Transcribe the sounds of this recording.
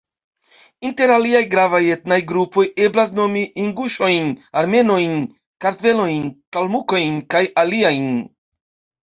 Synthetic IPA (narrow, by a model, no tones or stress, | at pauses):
inte̞ɾaliajɡɾavajetnajɡɾupo̞je̞blas̬no̞miʔiŋɡuʃo̞jnaɾme̞no̞jn | kaɾve̞lo̞jnkalmuko̞jnkajaliajn